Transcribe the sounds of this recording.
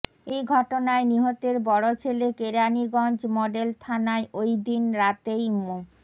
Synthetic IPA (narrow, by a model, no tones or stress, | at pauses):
ejɡʱɔʈonaeniɦot̪eɾbɔɽot͡ɕʰelekeɾaniɡɔnd͡ʑmɔɖelt̪ʰanaeʔojd̪inɾat̪ejmu